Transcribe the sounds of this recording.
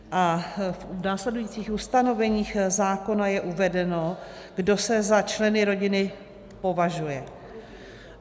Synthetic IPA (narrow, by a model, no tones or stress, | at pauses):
ʔafnaːslɛdujiːt͡siːxust̪ano̞vɛɲiːxzaːko̞najɛʔuvɛdɛno̞ | ɡdo̞sɛzat͡ʃlɛnɪɾo̞ɟɪnɪ | po̞vaʒujɛ